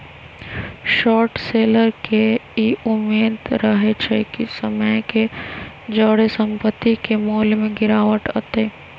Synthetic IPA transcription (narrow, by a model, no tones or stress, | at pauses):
ʃɔːɾʈseːləɾkeiʊmːeːd̪ɾəɦet͡ʃʰekisəməjke | d͡ʒəɽesə̃mpət̪ːikemoːlmẽɡɪɾaːʋəʈə̰t̪eː